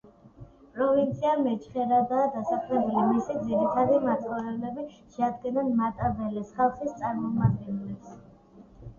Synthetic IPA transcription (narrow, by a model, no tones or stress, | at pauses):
pʼɾɔvint̪sʰiamɛt͡ʃʰχɛɾad̪aːd̪asakʰɾɛbulimisid̪ziɾit̪ʰad̪imat̪sʰʼχɔɾɛblɛbi | ʃɛad̪ɡɛnanmat̪ʼavɛlɛsχalˠχist̪sʼaɾmɔmad̪̚ɡɛnlɛs